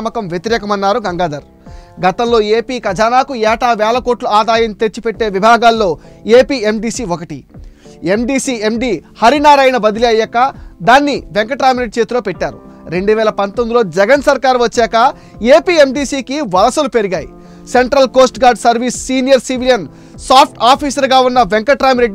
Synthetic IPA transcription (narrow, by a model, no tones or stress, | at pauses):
mɐkɐmʋjet̪iɾɛːkɐmɐnːaːɾuɡɐŋɡaːd̪ɐɾ | ɡɐt̪ɐmlo̞ːeːpiːkɐd͡ʒʱaːnaːkuɛːʈaːʋɛːlɐko̞ːʈluaːd̪aːjɐnt̪et͡ʃːipeʈːeːʋibʱaːɡaːlːo̞ːeːpiːe̞mɖiːsiːokɐʈiemɖiːsiːe̞mɖiːhɐɾinaːɾɐjnɐbɐd̪iliɐjːɐkːɐd̪aːnːiʋeŋkɐʈɾaːjmɾe̞ɖ̚it͡ʃe̞ːt̪uloːpɛʈːaːɾu | ɾe̞ɳɖuʋɛːlɐpɐnt̪ond̪ilo̞ːd͡ʒɛɡɐnsɐɾkaːɾuʋɐt͡ʃːɛːkɐ | eːpiːe̞mɖiːsiːkiʋɐlɐsɐlupe̞ɾiɡaːjḭ | se̞ɳʈɾɐlko̞ːsʈɡaːɾɖsɐɾʋiːsːiːnijɐɾsiʋilijɐn | saːpʰʈaːpʰiːsɐɾɡaːunːɐʋeŋkɐʈɾaːmɾe̞ɖːi